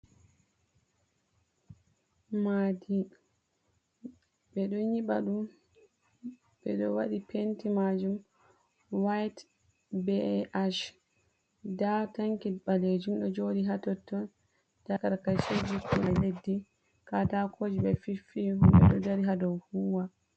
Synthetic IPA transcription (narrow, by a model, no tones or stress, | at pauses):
madi | ɓɛɗɔɲiɓaɗum | ɓɛɗɔwaɗipʰentimad͡ʒum | wajt | beʔaʃ | dataŋkiɓaled͡ʒumɗɔd͡ʒoɗiɦatɔtːɔ | d̥akaɾkajsod͡ʒikʰulaledːi | katakʰod͡ʒiɓɛfifiumɓɛ̰ɗɔdaɾiɦadɔwhuwa